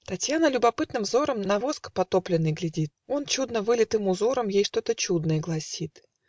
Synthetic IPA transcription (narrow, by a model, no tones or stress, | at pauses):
t̪ɐtʲjanəlʲʊbɐpɨt̪nɨmvzo̞ɾəmnɐvo̞skə̥pɐt̪o̞plʲɪnːɨjɡlʲɪdʲit̪̚o̞nt͡ɕud̪nəvɨlʲɪt̪ɨmʊzo̞ɾəmjejʂt̪o̞t̪ət͡ɕud̪nəjəɡlˠɐsʲit̪